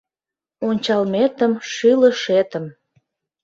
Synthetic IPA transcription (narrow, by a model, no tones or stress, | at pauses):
onʲt͡ɕɑlmet̪əmʃyləʃet̪əm